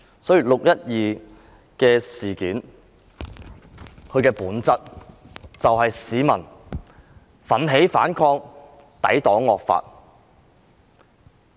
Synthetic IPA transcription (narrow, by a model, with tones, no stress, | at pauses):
sɔː˨˥jiː˨˩lʊ˨k̚jɐ˥t̚jiː˨ | kɛː˧siː˨˩kiː˨˥n | kʰɵ˨˧ɥkɛː˧puː˨˥nt͡sɐ˥t̚ | t͡sɐ˨wɦɐ˨jsiː˨˧mɐ˨˩n | fɐ˨˥nɦe˨˥jfa̰ː˨˥nkʰɔː˧ŋ | t̪ɐ̰˨˥jt̪ɔː˨˥ŋːɔː˨k̚fa̰ː˧t̚